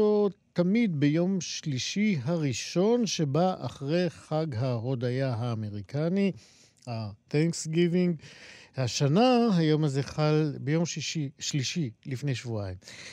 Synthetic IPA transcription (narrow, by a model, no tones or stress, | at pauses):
ot̪amidbejo̞mʃliʃiɦaʁiʃo̞nʃe̞baʔaχʁe̞jχaɡɦaʁo̞dajaɦaːme̞ʁikani | aθɛŋksɡiviŋɡhaʃanaɦajo̞mazeχalbejo̞mʃiʃiʃliʃilifne̞jʃvuajim